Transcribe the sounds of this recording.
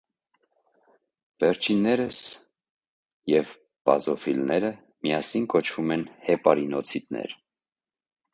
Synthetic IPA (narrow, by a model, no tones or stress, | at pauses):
vɛɾt͡ʃʰinːɛɾəs | jɛv | pɑ̰zɔfilnɛɾə | mijɑsinkɔt͡ʃʰvumɛnhɛpɑɾinɔt͡sʰit̪nɛ̰ɾ